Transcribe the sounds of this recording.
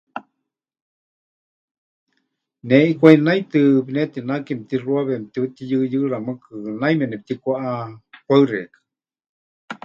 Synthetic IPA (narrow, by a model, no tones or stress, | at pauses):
neʔikʷainait̪ɨpinet̪inakimp̚t̪iruaβem̚t̪iut̪ijɨjɨɺamɨkɨnajmɛnɛp̚t̪ikʷaʔapʷaɨɾekɨ̥